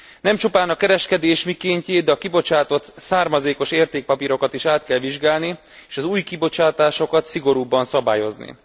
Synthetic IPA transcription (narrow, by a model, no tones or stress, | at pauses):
nɛmt͡ʃupaːnɒkɛɾɛʃkɛd̪eːʃmikeːɲceːd̪ɛɒkibo̞t͡ʃaːt̪o̞t̪saːrmɒzeːko̞ʃeːrt̪eːk̚pɒpiɾo̞kɒt̪iʃaːt̪kɛlʋiʒɡaːlni | eːʃɒzuːjkibo̞t͡ʃaːt̪aːʃo̞kɒt̪siɡo̞ɾuːbːɒnsɒbaːjo̞znḭ